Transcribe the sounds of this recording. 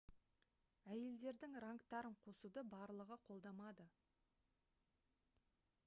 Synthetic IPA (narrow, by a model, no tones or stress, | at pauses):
æje̞ld̪e̞ɾd̪ɪŋrɑŋkt̪ɑɾəɴqʰo̞sud̪əbɑɾlˠəʁəqʰo̞lˠd̪ɑmɑd̪ə